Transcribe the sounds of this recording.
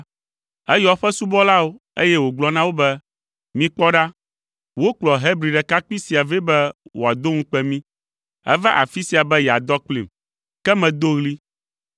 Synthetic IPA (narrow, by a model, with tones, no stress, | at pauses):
ɛ˦jɔ˨ɸɛ˦su˦bɔ˦la˦wo˦ | ḛ˦jɛ˦wo˨ɡ͡blɔ˦nã˦wo˦bɛ˦ | mĩ˨k͡pɔ˦ɖa˦ | wo˦k͡plɔ˨ɦɛ˦bɾi˨ɖɛ˨ka˦k͡pi˦si˨a˨ve˦bɛ˦wo̰˨a˨d̪o˦ŋũ˦k͡pɛ˦mĩ˦ | ɛ̰˦va˦ʔa˨fi˦si˨a˨bɛ˦jɛ˨a˨d̪ɔ˦k͡plḭ˨m | kɛ˦mɛ̃˨d̪o˦ɣli˦